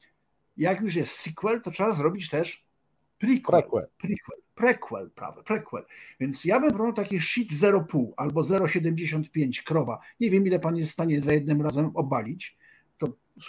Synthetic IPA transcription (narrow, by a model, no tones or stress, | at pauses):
jakjuʂ̬jɛst̪sikwɛlt̪ɔtʂɛbazɾɔbʲit͡ɕt̪ɛʂ | pɾʲikpɾʲikwɛlpɾɛkwɛ̰lpɾa̰vɛpɾɛkwɛ̰lvʲjɛnt̪sjabɘmpɾɔawt̪akʲiʂit̪zɛɾɔpuwalbɔzɛɾɔɕɛd̪ɛmd͡ʑeɕɔnt̪̚pʲjeɲt͡ɕkɾɔvaɲevʲjɛmilɛpanjɛst̪st̪aɲɛzajɛd̪nɘmɾazɛmɔbalʲit͡ɕ | t̪ɔ